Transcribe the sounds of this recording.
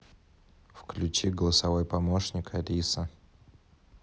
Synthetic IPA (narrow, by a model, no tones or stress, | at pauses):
fklʲʉt͡ɕiɡəlˠəsɐvo̞jpɐmoʂnʲɪkʰɐɾʲisə